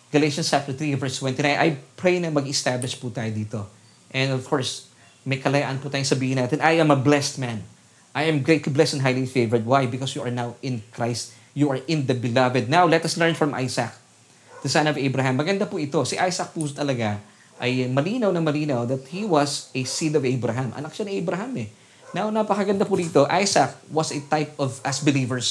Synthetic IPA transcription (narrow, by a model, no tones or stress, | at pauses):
ɡ̥ɐlejʃɐ̃nsapt̪t̪ɹivɛɹst̪wɛ̃nt̪inãj̃nʔɐ̰jpɹejnɐŋmɐɡɛst̪ablɪʃput̪aːjod̪iːt̪o̞ | ʔɛ̃nɔvkʰɔɹs | mɐjkɐlɐjaʔɐnput̪ajʊŋsɐbiːhɪnaːt̪ɛnʔajɐ̃mɐblɛst̪̚mãn | ʔajɐ̃mɡɹɾejt̪liblɛst̪ɛnɦajlifejvɛɹd̪̚wajbɪkɔsjuʔɐɹnawɪ̃nkɹajst̪̚ | juɐɹʔɪ̃nd̪ɐbɪlɐvɛd̪̚nawlɛt̪ɐslɛɹnfɹɐ̃mʔa̰jsɐk̚ | t̪ɪsanɐvʔejbɾɐɦamːɐɡɐnd̪apʊʔɪt̪osiʔajsɐk̚puːsot̪ɐlɐɡa | ʔɐjmɐliːnɐwnɐŋmɐliːnɐwðɐt̪̚hiwɐsɛsid̪ɔvɛbɾɐɦãmʔɐ̰nɐk̚ʃaniʔɛjbɾɐɦamɛ | nawnapɐkɐɡɐnd̪apʊd̪iːt̪o̞ʔajsɐk̚wɐsɐt̪ajp̚ɔvɐsbɪliːvəɹs